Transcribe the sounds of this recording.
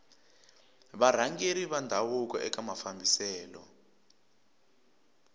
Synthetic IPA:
βaɾ̤aŋɡeɾiβandʱawuk̬ʼɔ̰ʔɛk̬ʼamafambʱisɛːlɔ̰

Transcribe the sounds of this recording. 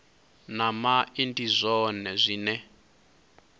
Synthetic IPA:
namaindizʷɔnɛzʷinɛ

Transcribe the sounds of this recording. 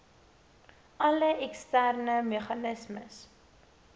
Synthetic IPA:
ʔɐləʔɛkstærnəmeχɐnəsməs

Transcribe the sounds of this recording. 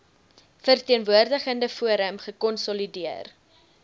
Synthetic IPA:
fərtiənvuərdəχəndəfuəɾəmχəkɔnsɔlidiər

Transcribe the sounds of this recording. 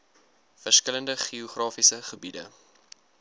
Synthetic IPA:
fərskələndəχioχrɑːfisəχəbidə̰

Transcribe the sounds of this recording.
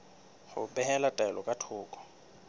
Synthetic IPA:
χʊbɛɦɛlatʼaɛlɔkʼatʰʊːkʼɔ̥

